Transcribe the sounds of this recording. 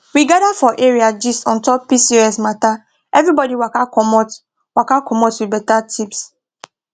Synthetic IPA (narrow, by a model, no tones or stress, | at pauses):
wiɡadafɔʔeɹiad͡ʒistɔ̃ntɔp̚pisiɹɔsmata | ʔɛvɹibɔdiwakakɔmɔt | wakakʰɔmɔtwibɛtatʰips